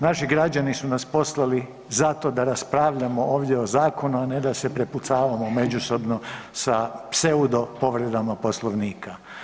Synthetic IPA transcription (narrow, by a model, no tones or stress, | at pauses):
naʃiɡɾad͡ʒanisunaspo̞slˠali | zat̪o̞d̪aɾaspɾaːʋʎamoʔo̞ːʋd̪jeozaːko̞nuane̞d̪ase̞pɾe̞put̪saːʋamo̞me̞d͡ʑuso̞bno̞sapse̞ud̪o̞po̞ʋɾe̞d̪amapo̞slˠoʋniːka